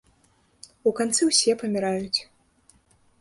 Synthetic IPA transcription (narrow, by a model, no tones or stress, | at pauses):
ukant̪sɨwsʲɛpɐmʲiɾajut͡sʲ